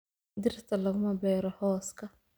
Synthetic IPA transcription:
d̪ɪrt̪ʰɐlɐɣʊmɐbɛːɾɔhɔːskʰɐ

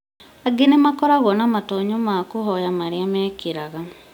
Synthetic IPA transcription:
aɡenemakɔɾaɣɔnamatoɲomakoɦɔjamaɾiamɛkiɾaɣa

